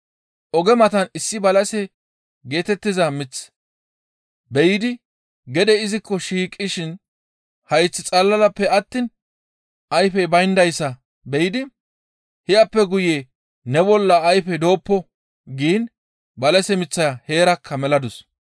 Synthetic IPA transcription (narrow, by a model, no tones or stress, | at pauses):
ʔɔɡɛmɐt̪ɐnɪsːɪbɐlɐsɛ | ɡe̞ːt̪ɛt̪ːɪzɐmɪt͡sː | bɛjɪd̪ɪ | ɡɛd̪ɛɪzɪkːɔʃiːkʼːɪʃɪn | hɐjt͡sːɪt͡sʼɐlːɐlɐpːɛɐt̪ːin | ɐjfɛbɐjnd̪ɐjsːɐ | bɛjɪd̪ɪ | hɪɐpːɛɡʊje | nɛbɔlːɐːjfɛd̪o̞ːpːɔ | ɡiːn | bɐlɐsɛmɪt͡sːɐhe̞ːɾɐkʰːɐmɛlɐd̪ʊs